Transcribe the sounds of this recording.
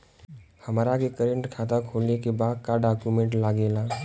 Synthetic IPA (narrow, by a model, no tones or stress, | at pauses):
həmːɾakekəɾə̃ɳʈkʰaːt̪akʰoːlnekebaːd̪̚kaɖaːkumẽɳʈlaːɡeːlaː